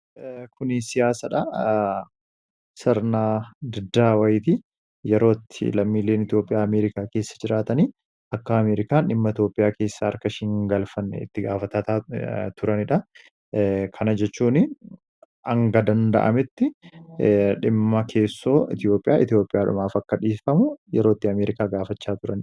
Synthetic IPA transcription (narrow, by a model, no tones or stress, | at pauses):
kʰʊnɪsɪjaːsɐᶑɐ | sɐɾnaːd̪ɪd̪ːaːwɐjɪt̪ɪ | jɛɾo̞ːt̪ːɪ̰lɐmːiːlːe̞ːnɪt̪jo̞ːpʼɪjaːɐmeːɾɪkaːke̞ːsːɐd͡ʒɪɾaːt̪ɐniː | ɐkːɐːmeːɾɪkaːnɪmːɐɪt̪jo̞ːpʼːɪjaːke̞ːsːɐɐɾkɐʃɪŋɡɐlfɐnːɛ̰ɪ̰t̪ːɪɡaːfɐt̪ɐt̪aːt̪ʰʊɾɐnɪᶑɐ | kʰɐnɐd͡ʒɛt͡ʃːuːnɪ | ɐŋɡɐd̪ɐnd̪ɐ̰ʔɐ̰mɪt̪ːɪ | ᶑɪmːɐkʰe̞ːsːo̞ːɪt̪ɪjo̞ːpʼːɪja̰ːɪt̪ɪjo̞ːpʼːɪjaːᶑʊ̰maːfɐkːɐᶑiːfɐmʊjɛ̰ɾo̞ːt̪ːɪɐmeːɾɪkaːɡaːfɐt͡ʃːaːt̪ʊɾɐnɪ